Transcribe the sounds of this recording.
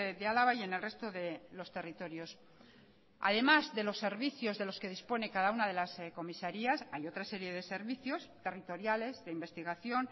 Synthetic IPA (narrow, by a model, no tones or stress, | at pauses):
d̪ealaβaje̞ne̞lre̞st̪o̞ðe̞lo̞st̪e̞rit̪o̞ɾjo̞s | a̰ðe̞mazðe̞losːe̞ɾβiθjo̞zðe̞lo̞ske̞ð̞ispo̞ne̞kaðaunað̞e̞lasko̞misaɾiasajo̞t̪ɾase̞ɾje̞ðe̞se̞ɾβiθjo̞st̪e̞rit̪o̞ɾjale̞zðe̞imbe̞st̪iɣ̞aθjo̞n